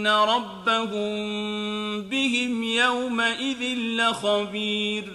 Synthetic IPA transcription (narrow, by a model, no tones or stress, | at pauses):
naɾˤɑbːahʊm | bɪhɪmjawmaʔɪðɪnːɪxɑbiːɾ